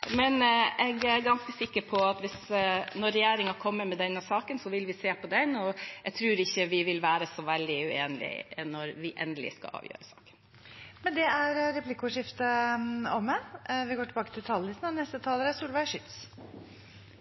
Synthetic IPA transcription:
mɛnɛɡæɾɡɑnskəsɪkːəɾpʰɔɑt̪ʋɪsnɔɾɛjeːɾɪŋɑkʰɔmːəɾmɛd̪ɛnːəsɑːkənsɔʋɪlʋɪseːpʰɔd̪ɛnːɔɛɡ̚t̪ʰɾʉːɾɪçːəʋɪʋɪlʋæːɾəsɔʋɛld̪ɪʉḛːnlɪ̰nɔɾʋɪʔɛ̰nd̪əlɪ̰skɑ̰ɑ̰ːʋjø̰ːɾəsɑ̥̰ːkə̥n | mɛnd̪ɛæɾɾɛpʰlɪkʊʂɪft̪əɔmːɛʋɪɡoːʈɪbɑːkət̪ʰɪlt̪ʰɑllɪt̪nɑnɛst̪ət̪ʰɑːləɾæsuːlʋæʂʏt̪s

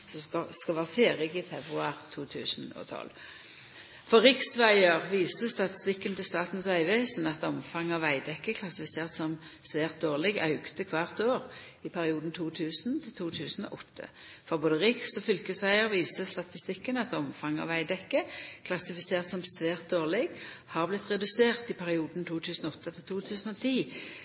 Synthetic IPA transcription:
sɔɑskɑʋæːʁəfeːʁɪɡɪfɛbʁʉɑːʁt̪ʰuːt̪ʰʉ̰ːsn̩o̰ːt̪ʰɔ̰l | fɔʁʁɪksʋæɪəʁʋiːsəst̪ɑt̪ɪst̪ɪkːənt̪ɪlst̪ɑːt̪n̩sœʏʋeːsn̩ɑt̪ɔmfɑŋɑːʋæɪd̪ɛkːəkʰlɑsɪfɪseːʁt̪sɔmsʋeːʁt̪̚d̪oːʁlɪɡɑ̰ʉkt̪əkʰʋɑːʁt̪oːʁ | ɪpʰæʁɪuːd̪n̩t̪ʰuːt̪ʰʉːsnt̪ʰɪlt̪ʰuːt̪ʰʉːsn̩ɔ̰ʔɔt̪ʰːə̰fɔʁboːd̪əʁɪksɔfʏlkəsʋæɪəʁʋiːsəst̪ɑt̪ɪst̪ɪkːənɑt̪ɔmfɑŋɑ̰ːʋæɪd̪ɛkːəkʰlɑsɪfɪseːʁt̪sɔmsʋeːʁt̪̚d̪oːʁlɪɡhɑːʁblɪt̪ːʁɛd̪ʉseːʁt̪ɪpʰæʁɪuːd̪n̩t̪ʰuːt̪ʰʉːsnɔɔt̪ːət̪ʰɪlt̪ʰuːt̪ʰʉːsn̩ɔt̪ʰiː

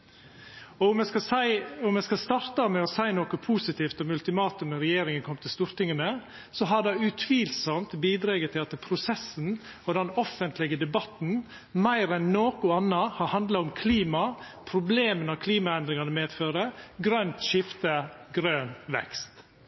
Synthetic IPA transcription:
ɔʊmɛsɑsæɪʊmɛskɑst̪ɑɾt̪əɑmɛɔsæɪnoːkəpʰuːsɪt̪ʰiːft̪ɔmʉlt̪ɪmɑːt̪ʉmnəɾɛjeːɾɪŋənkʰɔmt̪ʰɪlst̪uːɾt̪ɪŋənə | sɔɦɑd̪ɛʉt̪ʰʋiːlsɔmt̪biːd̪ɾɑːɡət̪ʰɪlt̪ːɪpʰɾʊsɛsːn̩ | ɔd̪ɛnɔfənt̪lɪɡəd̪ɛbɑt̪n̩ | mæɪɾɛnːoːkʊɑnːɑhɑɾhɑnd̪lɑʊmkʰliːmɑ | pʰɾʊbleːmənɑkʰliːmɑɛnd̪ɾɪŋɑnəmeːd̪føːɾəɡɾœnt̪ʃɪft̪əɡɾøːnʋɛ̰kst̪

